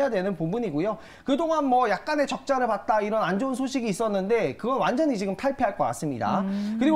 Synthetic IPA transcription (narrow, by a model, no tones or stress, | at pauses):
jadwe̞nɯnpombuɲiɡojo | kɯdoŋɦanmwʌjak̚k͈ane̞t͡ɕʌk̚t͡ɕ͈aɾɯɭpat̚t͈aiɾʌnand͡ʑounsʰoɕʰiɡiːs͈ʌnːɯnde̞kɯɡʌnwand͡ʑʌɲit͡ɕiɡɯmtʰaɭpʰeɦaɭk͈ʌk͈a̰s͈ɯmɲida̰kɯɾiɡ